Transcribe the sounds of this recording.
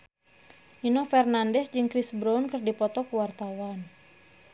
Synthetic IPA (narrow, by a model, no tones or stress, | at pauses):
ʔinɔfɛrnandɛsd͡ʒɨŋkɾisbɾɔnkɨrdipɔt̪ɔkəwart̪awan